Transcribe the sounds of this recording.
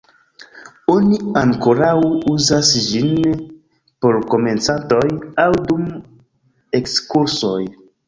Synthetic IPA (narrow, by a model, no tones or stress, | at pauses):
o̞niaŋkoɾawuzasd͡ʒin | po̞ɾko̞me̞nt͡santo̞jawdum | e̞kskuɾso̞j